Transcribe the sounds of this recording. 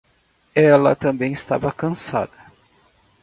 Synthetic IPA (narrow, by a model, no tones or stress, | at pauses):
ɛlɐt̪ɐ̃mbẽj̃ɪst̪a̰vɐkɐ̃sa̰d̪ɐ